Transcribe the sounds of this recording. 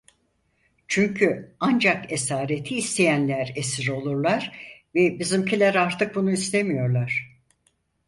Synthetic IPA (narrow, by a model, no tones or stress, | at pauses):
t͡ʃʰyɲcʰyand͡ʒake̞saːɾet̪ʰiːst̪ʰe̞jænlʲæɾesiɾo̞lˠuɾlˠaɾvɛbizimcʰilʲæɾaɾt̪ʰɯk̚bunuist̪ʰe̞mijo̞ɾlˠaɾ̝̥